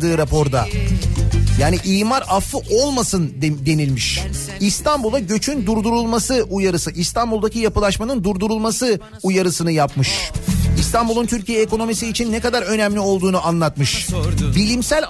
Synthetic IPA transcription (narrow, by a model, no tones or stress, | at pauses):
d̪ɯːɾapʰo̞ɾd̪a | jaːniʔiːmaɾafɯʔo̞lˠmasɯnd̪e̞nilʲmiʃ | ist̪ʰanbulˠaɟø̞t͡ʃʰynd̪uɾd̪uɾulˠmasɯujaɾɯsɯʔist̪anbulˠd̪acijapɯlˠaʃmanɯnd̪uɾd̪uɾulˠmasɯ | ujaɾɯsɯnɯjapmɯʃist̪ʰanbulˠunt̪ʰyɾcijɛeko̞no̞misiːt͡ʃʰinːɛkad̪aɾø̞næmlʲio̞lˠd̪uːnuʔanlˠat̪mɯʃbilʲimsælʲ